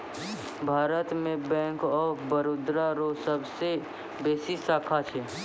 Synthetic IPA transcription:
bʱaːɾət̪mẽbɛ̃ːŋkɔːɾbəɾoːd̪ɾaɾosəbse | beːsisaːkʰat͡ʃʰɛː

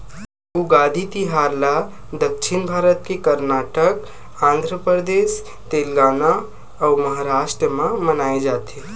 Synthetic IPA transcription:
uɡad̪ʱit̪iɦaɾla | d̪əkʃʰinbʱaɾət̪kekəɾnaʈək | ãnd̪ʱɾəpəɾd̪es | t̪elɡana | auməɦaɾaʃʈɾəmãmənaed͡ʒat̪ʰe

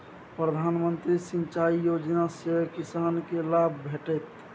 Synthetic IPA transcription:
pɾəd̪ʱanmənt̪ɾisiɲt͡ʃaijod͡ʒnaseəkisankelabʱbʱeʈət̪

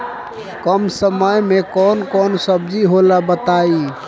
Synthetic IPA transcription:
kəmsəməjmekɔnkɔnsəbd͡ʒiɦolabət̪ai

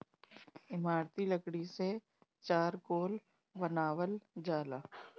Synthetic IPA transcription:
ɪmaːɾt̪iləkɽise | t͡ʃaːɾkoːl | bənaːʋəld͡ʒaːlaː

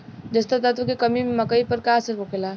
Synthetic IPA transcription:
d͡ʒəst̪at̪ət̪okekəmimeməkəipəɾkaːsəɾbokela

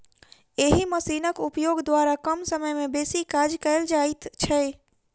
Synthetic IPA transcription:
eɦiməsinəkupjoɡd̪waɾakəmsəməjmebesikad͡ʒkəɪld͡ʒajt̪t͡ʃʰɛ

